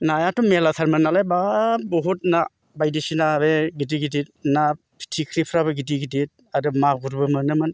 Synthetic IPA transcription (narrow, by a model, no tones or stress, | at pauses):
najatumelatʰaɾmanalajbabɔɦut̚na | bajdisinabeɡidiɡidit̚na | pʰi̥tʰikʰɾipʰɾabɯɡidiɡidit̚ | adɯmaɡuɾbɯmɯnɯmɯn